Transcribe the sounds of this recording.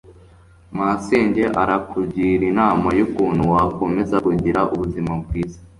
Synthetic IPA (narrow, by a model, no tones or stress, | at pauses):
maseːɲɟe̞ʔaɾakubɟiːɾinaːmajukuːn̥huwako̞me̞zaɡuɟiɾaʔuβuzimab̚ɡwiːzḁ